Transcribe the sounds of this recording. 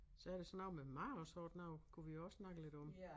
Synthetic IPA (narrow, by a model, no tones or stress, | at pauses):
sɒ̽æɐɾ̥e̝sɒnɑʊ̰memɑɪɒsɒːd̥nɑʊ̰kʰuʋijoɒssnɑ̈ɡ̥əle̝ɾ̥ɒ̽m